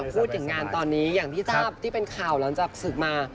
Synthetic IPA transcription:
pʰuː˥˩t̪̚ʰɯ˩˦ŋaː˧nt̪ɔː˧nːiː˦˥jaː˨˩ŋt̪ʰiː˥˩saː˥˩p̚t̪ʰiː˥˩pe˧nkʰaː˨˩wlaː˩˦ŋt͡ɕaː˨˩k̚sɯ˨˩k̚maː˧

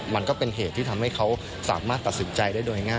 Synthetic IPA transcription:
ma˧nkɔː˥˩pe˧nɦeː˨˩t̪ʰːiː˥˩t̪ʰa˧mha˥˩jkʰa˦˥w | sa̰ː˩˦maː˥˩t̪ːa˨˩t̪̚si˩˦nt͡ɕa˧jdaː˥˩jdoː˧jŋaː˥˩

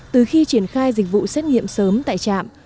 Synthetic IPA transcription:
t̪ɨ˨˩xi˧t͡ɕi˧˩ənxaː˧jzï˨˩k̟̚vṵ˧˨sɛ˦˥t̚ŋḭ˧˨əmsəː˨˦mt̪a̰ː˧˨jt͡ɕa̰ː˧˨m

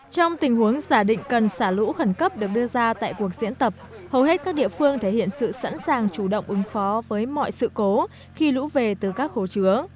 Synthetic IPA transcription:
t͡ɕɔ˧wŋ͡mt̪ï˨˩ŋ̟hu˨˦əŋzaː˧˩ɗḭ̈˧˨ŋ̟kə˨˩nsaː˧˩lṵ˧˥xə˧˩nkə˦˥p̚ɗɨ˨˩ək̚ɗɨ˧əzaː˧t̪a̰ː˧˨jku˨˩ək̚zḭ˧˥ənt̪ə˨˩p̚ | hə˨˩whɦe˦˥t̚kaː˦˥k̚ɗḭ˧˨əfɨ˧əŋt̪ʰe˧˩hḭ˧˨ənsɨ̰˧˨sa̰˧˥nsaː˨˩ŋt͡ɕu˧˩ɗə̰˧˨wŋ͡mʔɨ˨˦ŋfɔ˨˦vəː˨˦jmɔ̰˧˨jsɨ̰˧˨ko˨˦ | xi˧lṵ˧˥ve˨˩t̪ɨ˨˩kaː˦˥k̚ho˧˩t͡ɕɨ˨˦ə

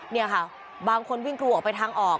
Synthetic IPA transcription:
ni˥˩ɐkʰa˥˩ | baː˧ŋkʰo˧nwi˥˩ŋklu˧ʔɔː˨˩kpa˧jt̪ʰaː˧ŋʔɔː˨˩k̚

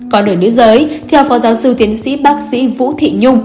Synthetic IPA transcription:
kɔ˨˦ɗɨː˧˩nɨ̰˧˥əzəː˨˦jt̪ʰɛ˧wfɔ˨˦zaː˨˦wsɨ˧˨wt̪i˨˦ənsḭ˧˥ɓaː˦˥k̚sḭ˧˥vṵ˧˥t̪ʰḭ˧˨ɲʊ˧ŋ͡m

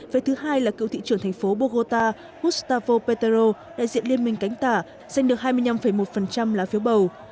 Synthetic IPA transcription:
ve˨˩t̪ʰɨ˨˦ɦaː˧jlaː˨˩kɨ˧˨wt̪ḭ˧˨t͡ɕɨ˧˩əŋt̪ʰɛ˨˩ŋ̟fo˨˦ɓo˧ɣo˧t̪aː˧ | ʔu˦˥t̚st̪aː˧fo˧pe˧t̪e˧zo˧ɗa̰ː˧˨zḭ˧˨ənli˧ənmï˧˩ŋ̟ka˨˦ŋ̟t̪aː˧˩ | za˧jŋ̟ɗɨ˨˩ək̚ɦaː˧jmɨ˧əjɲna˧mfə˧˩jmo˨˩t̚fə˨˩nt͡ɕa˧mlaː˨˩fi˨˦əwɓə˨˩w

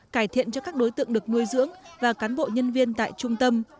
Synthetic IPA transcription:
kaː˧˩jt̪ʰḭ˧˨ənt͡ɕɔ˧kaː˦˥k̚ɗo˨˦jt̪ɨ̰˧˨əŋɗɨ˨˩ək̚nu˧əjzɨ̰˧˥əŋvaː˨˩kaː˨˦nɓo̰˧˨ɲə˧nvi˧ənt̪a̰ː˧˨jt͡ɕʊ˧ŋ͡mt̪ə˧m

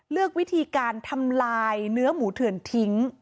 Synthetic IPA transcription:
lɯ˥˩ək̚wi˦˥t̪ʰiː˧kaː˧nt̪ʰa˧mlaː˧jnɯ˦˥ɐmuː˩˦t̪ʰɯ˨˩ənt̪ʰi˦˥ŋ

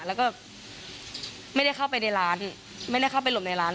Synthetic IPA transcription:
lɛː˦˥wkɔː˥˩ | ma˥˩jda˥˩jxʰa˥˩wpa˧jna˧jɾaː˦˥n | ma˥˩jda˥˩jkʰa˥˩wpa˧jlo˨˩˦mna˧jɾaː˦˥n

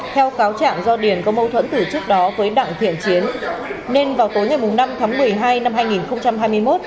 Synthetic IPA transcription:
t̪ʰɛ˧wkaː˨˦wt͡ɕa̰ː˧˨ŋzɔ˧ɗi˨˩ənkɔ˨˦mə˧wt̪ʰwə̰˧˥nt̪ɨ˨˩t͡ɕɨ˦˥ək̚ɗɔ˨˦vəː˨˦jɗa̰ː˧˨ŋt̪ʰḭ˧˨ənt͡ɕi˨˦ənne˧nvaː˨˩wt̪o˨˦jŋa˨˩jmʊ˨˩ŋ͡mna˧mt̪ʰaː˨˦ŋmɨ˨˩əjɦaː˧jna˧mɦaː˧jŋi˨˩nxə˧wŋ͡mt͡ɕa˧mɦaː˧jmɨ˧əjmo˦˥t̚

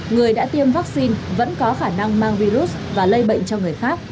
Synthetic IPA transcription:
ŋɨ˨˩əjɗa̰ː˧˥t̪i˧əmvaː˦˥k̚si˧nvə̰˧˥nkɔ˨˦xaː˧˩na˧ŋmaː˧ŋvi˧ɾu˦˥t̚vaː˨˩lə˧jɓə̰˧˨jŋ̟t͡ɕɔ˧ŋɨ˨˩əjxaː˦˥k̚

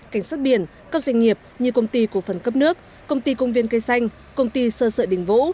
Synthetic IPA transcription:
ka˧˩jŋ̟saː˦˥t̚ɓḭ˧˩ən | kaː˦˥k̚zwa˧jŋ̟ŋi˨˩əp̚ɲɨ˧kə˧wŋ͡mt̪i˧ku˧˩əfə˨˩nkə˦˥p̚nɨ˦˥ək̚ːə˧wŋ͡mt̪i˧kə˧wŋ͡mvi˧nkə˧jsa˧jŋ̟ | kə˧wŋ͡mt̪i˧səː˧sə̰ː˧˩ɗï˧˩ŋ̟vṵ˧˥

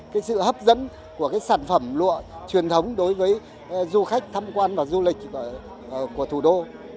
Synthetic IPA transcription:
kaː˨˦jsɨ̰˧˨hə˦˥p̚zə̰˧˥n | ku˧˩əkaː˨˦jsaː˧˩nfə˧˩mlṵ˧˨ət͡ɕwi˨˩ənt̪ʰə˨˦wŋ͡mɗo˨˦jvəː˨˦j | zu˧xa˦˥jk̟̚t̪ʰaː˧mkwaː˧nvaː˨˩zu˧lï˨˩k̚ː | ku˧˩ət̪ʰu˧˩ɗo˧

